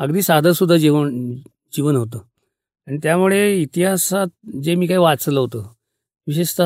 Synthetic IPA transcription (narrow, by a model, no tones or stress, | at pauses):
əɡd̪iːsad̪əɾsud̪ʱːad͡ʑiʋən | d͡ʑiʋənɦot̪ə | aɽ̃nit̪jamuɭeit̪iɦasat̪̚d͡zemiːkaiːʋat͡sələɦot̪ə | ʋiɕeʂt̪ə